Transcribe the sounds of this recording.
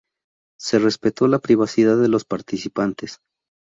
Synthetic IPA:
se̞re̞spe̞t̪o̞lapɾiβasiðaððːe̞lo̞spaɾt̪isipant̪e̞s

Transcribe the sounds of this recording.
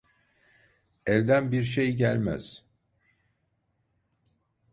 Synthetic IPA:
ɛɾd̪ænbiɾʃ̬ejɟælʲmæ̰z̥

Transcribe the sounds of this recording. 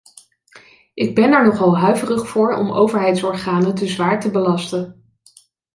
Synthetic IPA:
ʔɪɡ̚bɛnɛɹnɔχɑlˠɦœɥvərəχfʊːɹɔ̰mo̰wvəɹɦɛjtsɔɹχaːnətəzʋaːɹtəbəlɑstən

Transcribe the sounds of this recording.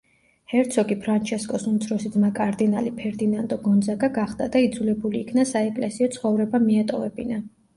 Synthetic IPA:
hɛɾt̪sʰɔɡipʰɾant͡ʃʰɛskʼɔsumt̪sʰɾɔsid̪makʼaɾd̪inalipʰɛɾd̪inand̪ʼɔɡɔnd̪zaɡaɡaχd̪̥ad̪aid̪zulɛbuliːkʰnasaɛkʼlɛsiɔt̪sʰχɔvɾɛbamiat̪ʼɔvɛbina

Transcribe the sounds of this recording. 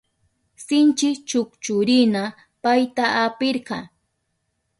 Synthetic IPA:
sɪnt͡ʃɪt͡ʃʊkt͡ʃʊɾɪna | pajt̪aʔapɪɾɢɑ

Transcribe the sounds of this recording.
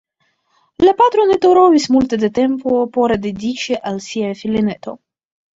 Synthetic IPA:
lʲapat̪ɾonɛt̪oɾovʲisʲmulʲt̪ed̪et̪ɛmpopoɾad̪ed̪ʲit͡ʃiʔalsʲiafʲilʲinɛt̪o̰

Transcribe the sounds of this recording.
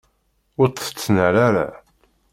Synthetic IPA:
ʊɾt̪ˤːə̥t͡sːnəɾaɾa̰

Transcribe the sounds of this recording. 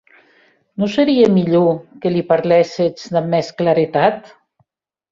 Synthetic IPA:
nosəɾiemiʎokelipaɾlɛset͡sðəmɛsklaɾet̪at̪

